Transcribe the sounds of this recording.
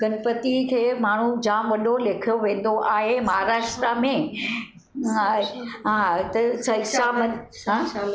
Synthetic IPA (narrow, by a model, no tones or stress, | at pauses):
ɡɐnpət̪ikʰeːmaːɳ̤ud͡ʑãːmʋɐɗoleːkʰijoʋẽːn̆d̪oʔaːɦemɐɦaɾaːʂʈɾamẽ | aɦãt̪ɐsɐisamɐnɦɦãː